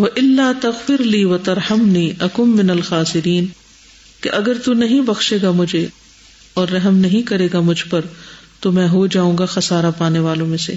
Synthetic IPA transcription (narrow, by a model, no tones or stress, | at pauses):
ʋɐʔɪlːaːt̪ɐɣfɪɾliːʋɐt̪ɐɾħɐmniːʔɐkʊmːɪnɐlxaːsɪɾiːn | keʔɐɡəɾt̪unɐɦĩbɐxʃeːɡamʊd͡ʒʱe | ɔːɾːɐɦmnɐɦĩkɐɾeːɡamʊd͡ʒʱpɐɾt̪omɛ̃ːɦod͡ʒaːũːŋɡaxɐsaːɾapaːneʋaːlõmẽsḛ